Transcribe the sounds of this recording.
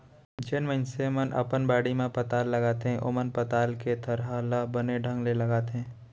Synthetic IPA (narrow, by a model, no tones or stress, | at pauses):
d͡ʒenmə̃nsemənʔɐ̰pənbaːɽimẽpɐt̪aːlːɐɡaːt̪ẽʔʊ̰mənpɐt̪aːlket̪ʰəɾɦaːlabəneɖʱə̃ŋɡlelɐɡaːt̪ẽː